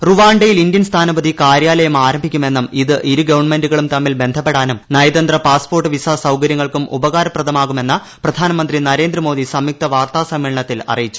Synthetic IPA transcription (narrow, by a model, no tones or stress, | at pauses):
ruʋaːɳɖejilindjɐnst̪ʰaːnɐbɐd̪ʱikaːɾjaːlɐjɐmaːɾɐmbʱikʲːume̞nːɐmiðɨʔiɾuɡɐʋɐɳnme̞nduɣɐɭumt̪ɐmːilbe̞nd̪ʱɐpːe̞ɽaːnumnɐjd̪ɐnd̪rɐpaːspoːrʈːɨʋisaːsɐwkɐɾjɐŋːɐɭkumʔṵbɐɣaːɾɐprɐd̪ʱɐmaːɣume̞nːɐ | prɐd̪ʱaːnɐmɐnd̪rinɐɾe̞ːnd̪rɐmo̞ːd̪isɐmjik̚t̪ɐʋaːrt̪aːsɐmʋeːɭɐɳɐt̪ːilɐ̰rijit͡ɕːu̥